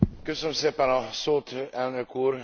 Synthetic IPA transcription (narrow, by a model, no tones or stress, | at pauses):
køsønømseːpɛnɒsoːt̪ɛlnøkuːr